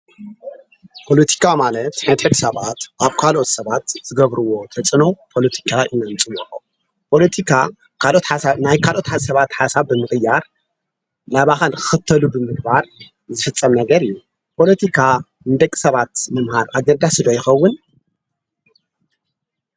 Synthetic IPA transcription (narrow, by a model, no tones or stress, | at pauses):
pʰo̞lɐt̪ʰi̥kʰamalɐt̪ħɨnt̪ħɨβɨsɐβat̪ʔaβkʰalʔo̞t̪sɐβat̪z̥ɨɡɐβɾuwo̞t̪ʰɐt͡sʼɨnopʰo̞lɐt̪ʰi̥kʰaʔɨnɐmt͡sʼɨwoħo | pʰo̞lɐt̪ʰikʰa | kʰalʔo̞t̪ħasanajkʰalʔo̞t̪ħasɐβat̪ħasaβbɨmɨxʼɨjːaɾ | laβaxankʰɨ̥xɨt̪ʰːɐlubɨmɨɡbaɾ | zɨfɨt͡sʼːɐmnɐɡɐɾɨjːu | pʰo̞lɐt̪ʰikʰa | nɨd̪ɐkʼːi̥sɐβat̪mɐmhaɾʔaɡnɐd̪ːasɨd̪ojɪxɐwːʊn